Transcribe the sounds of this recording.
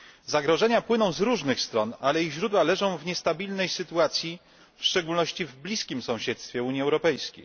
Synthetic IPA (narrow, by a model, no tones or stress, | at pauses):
zaɡɾɔʐɛɲapwɘnɔ̃w̃zɾuʐnɘxst̪ɾɔnalɛiɣʑɾud̪walɛʐɔ̃w̃vɲɛst̪abʲilnɛjsɘt̪uat̪sʲji | fʂt͡ʂɛɡulnɔɕt͡ɕivblʲiskʲimsɔ̃w̃ɕɛt̪st̪fʲjɛuɲiɛwɾɔpɛjskʲḛj